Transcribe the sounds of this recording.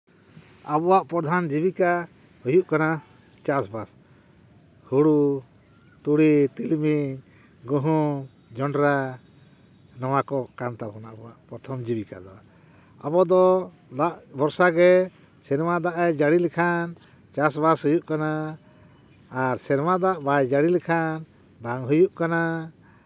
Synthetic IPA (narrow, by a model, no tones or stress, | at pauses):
abɔwaʔpɔɾd̪ʱand͡ʒibika | hujuʔkana | t͡ʃasbas | huɽu | t̪uɽit̪ilmiɲ | ɡəɦu | d͡ʒɔɳɖɾa | nɔwakɔkant̪abɔnaabɔwaʔpɾɔt̪ʰɔmd͡ʒibika̰d̪ɔa | abɔd̪ɔ | d̪aʔbɔɾsaɡɛ | sɛɾmad̪aʔɛd͡ʒaɽilɛkʰan | t͡ʃasbashujuʔkana | ɾsɛɾmad̪aʔbajd͡ʒaɽilɛkʰan | baŋɦujuʔkana